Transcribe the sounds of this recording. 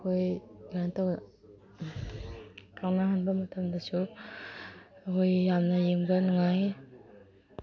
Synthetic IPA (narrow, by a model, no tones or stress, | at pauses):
kʰojɡantaw | tʰawnahanbɐmɐtʰɐmdɐsu | ɐkʰojːamnɐjemɡanuŋaj